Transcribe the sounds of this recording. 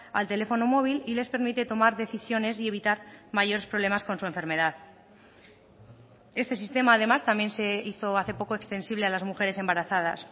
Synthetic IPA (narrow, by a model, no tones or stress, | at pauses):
a̰lt̪e̞le̞fo̞no̞mo̞β̞ilile̞spe̞ɾmit̪e̞t̪o̞maɾðe̞θisjo̞ne̞s̬ie̞βit̪aɾmaʝo̞ɾe̞spɾo̞β̞le̞masko̞nsue̞ɱfe̞ɾme̞ðað | e̞st̪e̞s̬ist̪e̞maːð̞e̞mast̪ambje̞nse̞iθo̞aθe̞po̞ko̞ekst̪e̞nsiβle̞alazmuxe̞ɾe̞se̞mbaɾaθað̞a̰s